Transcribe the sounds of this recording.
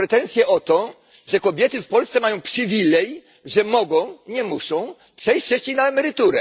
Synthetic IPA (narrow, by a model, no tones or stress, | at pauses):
ɾɛt̪ɛnt̪sʲjɛʔɔt̪ɔ | ʐɛkɔbʲjɛt̪ɘfpɔlst̪sɛmajɔ̃w̃pʂɨvʲilɛj | ʐɛmɔɡɔ̃w̃ɲɛmuʂɔ̃w̃ | pʂɛjt͡ɕfʂɛxt͡ɕejnaɛmɛɾɘt̪uɾɛ̰